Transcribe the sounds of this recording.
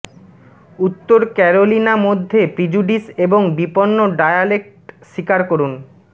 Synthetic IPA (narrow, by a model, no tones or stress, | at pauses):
ut̪ːoɾkɛɾolinamod̪ʱːepɾid͡ʑuɖiseboŋbiponːoɖajalek̚ʈʃikaɾkoɾun